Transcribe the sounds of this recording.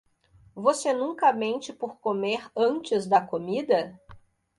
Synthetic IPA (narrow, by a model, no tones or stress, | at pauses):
vosenũŋkɐmẽnt͡ʃɪpoɾkomeɾɐ̃nt͡ʃɪzd̪ɐkomid̪ɐ